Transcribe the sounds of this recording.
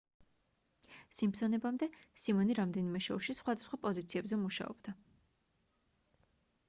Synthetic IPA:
simpsɔnɛbamd̪ɛsimɔniɾamd̪ɛnimɛʃɔuʃisχwad̪asχwapʼɔzit̪sʰiɛbzɛmuʃa̰ɔ̰b̥d̪a

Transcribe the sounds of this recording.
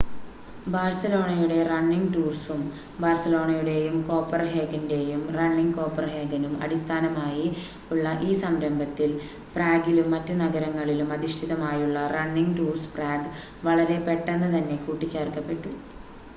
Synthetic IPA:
baːrsɐlo̞ːɳɐjuɽe̞rɐɳːiŋɡʈuːrsum | baːrsɐlo̞ːɳɐjuɽe̞jumko̞ːpːɐrɦe̞ːɡɐnde̞jumrɐɳːiŋɡko̞ːpːɐrɦe̞ːɡɐnumɐ̰ɽist̪ʰaːnɐmaːji | uɭːɐʔiːsɐmɾɐmbʱɐt̪ːil | praːɡilumːɐtːunɐɣɐɾɐŋːɐɭilumɐðiʂʈʰiðɐmaːjuɭːɐrɐɳːiŋɡʈuːrspraːɡ | ʋɐɭɐɾe̞pe̞ʈːenːɐt̪ɐnːe̞kuːʈːit͡ɕːeːrkɐpːe̞ʈːu

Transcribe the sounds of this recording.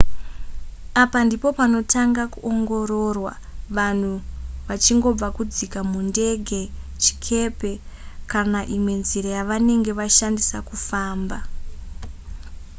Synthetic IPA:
apandipo̞pano̞taŋɡakuʔoŋɡo̞ɾo̞rwa̰ | ʋan̤uʋat͡ʃiŋɡo̞b͡vakud͡zikamunde̞ɡʱe̞t͡ʃi̥kʰe̞pe̞kanaʔimwe̞nziɾajaʋane̞ŋɡe̞ʋaʃandisakufaːmba

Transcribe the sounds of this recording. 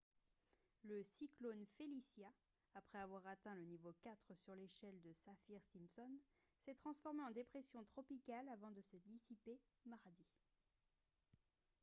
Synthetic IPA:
ləsiklonfelisjaː | pχɛavwaʁat̪ɛ̃lənivokʲat̪χəsyʁleʃɛld̪əsafiʁsimsɔnsɛt̪χɑ̃sfɔʁmeɑ̃d̪epχɛsjɔ̃t̪χɔpikalavɑ̃d̪əsəd̪isipe | maʁd̪i

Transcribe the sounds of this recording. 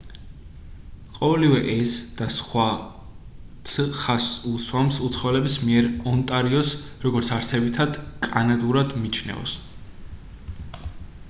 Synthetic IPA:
qʼɔvɛlivɛʔɛsd̪̥asχwa | t̪sʰχasusʰwamsut̪sʰχɔvɛlɛbismiɛɾɔnt̪ʼaɾiɔsɾɔɡɔɾt̪sʰaɾsɛbit̪ʰad̪̥kʼanad̪ʼuɾad̪mit͡ʃʰnɛ̰ɔ̰s

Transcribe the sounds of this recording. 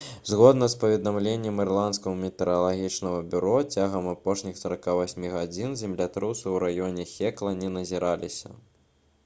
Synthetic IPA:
zɣɔd̪nɐspɐvʲɛd̪amlʲenʲːɛmirlˠant̪skɐɣɐmʲɛt̪ɛɾɐlˠaɣʲit͡ʂnɐɣɐbʲuɾɔt͡sʲaɣɐmapɔʂnʲixsɐɾakavasʲmʲiɣad͡zʲinzʲɛmlʲat̪ɾɨwsɐwɾajɔnʲɛxʲɛklˠɐnʲɛnɐzʲiɾʔalʲisʲɐ̰

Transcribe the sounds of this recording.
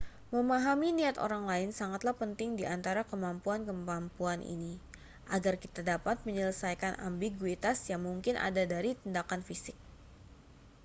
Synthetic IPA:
məmaɦaminiat̪o̰ɾaŋlaɪnsaŋat̪lahpənt̪ɪŋdiʔant̪aɾakəmampuankəmampuanʔḭni | ʔaɡarkit̪adapat̪̚məɲələsajkanʔa̰mbiɡuit̪asjaŋmuŋkɪnʔa̰dadaɾit̪indakanfisɪk̚

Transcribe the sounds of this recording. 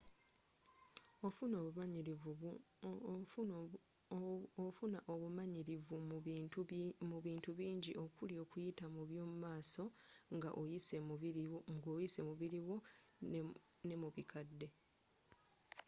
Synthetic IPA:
ofuno̞βuβaii | ofunaʔoβumaɲiɾivu | muβiːntuβiːɲɟiʔo̞kuljo̞ːkujitamuβjoːmumaːso̞ŋɡa̰ʔojise̞iiŋɡoːjise̞muβiɾiwo̞ | ne̞muβikʰadːe̞

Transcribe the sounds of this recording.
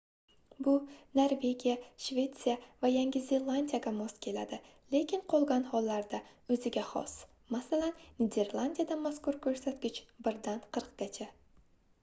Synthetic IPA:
bʊnoɾve̞ɡʲijaʃvʲe̞t̪sijavajaŋɡʲɪze̞lˠanʲd̪ʲijaɡʲamɒskʲʰe̞la̰d̪ɪ | le̞kʲʰɪɴqʰolˠɡʲanhɒlˠːaɾd̪aɵzɪɡʲaχɒ̰s | masalanːʲed̪e̞ɾlˠand̪ʲijad̪amaskʊɾkʰɵɾsat̪ɡʲɪt͡ʃbɪɾd̪anqʰɨɾq̚ɡ̥ʲat͡ʃʰa

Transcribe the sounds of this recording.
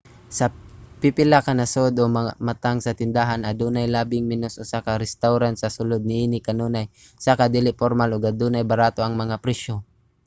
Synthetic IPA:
sɐpipɪlakanɐsod̪ʔomɐamat̪aŋsɐt̪ɪnd̪aɦanad̪uːnajlaːbɪŋmɪnosʔosakaɾɛst̪awɾansɐsʊlod̪̚nɪʔiːnɪkɐnoːnaj | sakad̪ilɪfoɾmaloɡad̪uːnajbɐɾaːt̪oʔɐŋmɐŋapɾɛʃo

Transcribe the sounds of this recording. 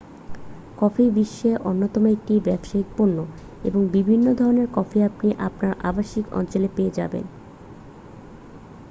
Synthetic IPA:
kɔfʰibiʃːeʔonːot̪ɔmoek̚ʈibɛbʃaik̚poɾnːo | ḛboŋbibʱinːod̪ʱɔɾoneɾkɔfʰiapniʔa̰pnaɾʔa̰baʃikɔ̰nt͡ɕolepeed͡ʑa̰bḛn

